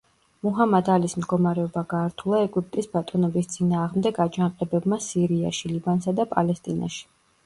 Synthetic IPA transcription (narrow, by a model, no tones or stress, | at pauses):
muɦamad̪alismd̪ɡɔmaɾɛɔbaɡaːɾt̪ʰulˠaɛɡʼip̚ʼt̪ʼisbat̪ʼɔnɔbist̪sʼinaːʁmd̪ɛɡad͡ʒanqʼɛbɛbmasiɾia̰ʃilibansad̪apʼalɛst̪ʼina̰ʃi̥